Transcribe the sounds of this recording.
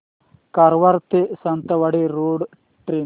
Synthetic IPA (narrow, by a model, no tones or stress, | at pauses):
kɐɾʋɐɾt̪isɐnt̪ɐʋɐɽiɾoːɖ | ʈɾeː